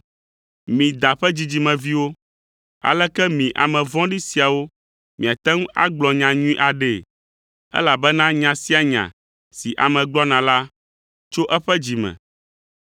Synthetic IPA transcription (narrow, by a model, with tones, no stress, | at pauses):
mĩ˨d̪a˨ɸɛ˦d͡ʑi˨d͡ʑi˨mɛ̃˨vi˦wo˦ | a̰˨lɛ˦kɛ˦mĩ˨ʔa̰˨mɛ̃˨vɔ̃˦ɖi˦si˨a˨wo˦ | mĩ˨a˨t̪ɛ˦ŋu˦a̰˦ɡ͡blɔ˨ɲã˨ɲũ˦ĩ˦ʔa˨ɖɛ˨ | ɛ̰˦la˨bɛ˦nã˦ɲã˨si˦a˨ɲã̰˨ | si˨ʔa˨mɛ̃˨ɡ͡blɔ˦nã˨la˦ | t͡ʃo˦ʔɛ˦ɸɛ˦d͡ʑi˨mɛ̰̃˨